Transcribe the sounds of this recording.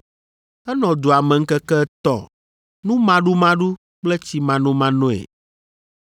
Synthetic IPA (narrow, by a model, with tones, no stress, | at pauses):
ɛ˦nɔ̃˨d̪o˨a˨mɛ̃˨ŋ̩˦kɛ˦kɛ˦t̪ɔ̰˦ | nũ˦mã˦ɖu˦mã˦ɖu˦ | k͡plɛ˦t͡ɕi˦mã˨nũ˦mã˦nõ˦˨ḛ˨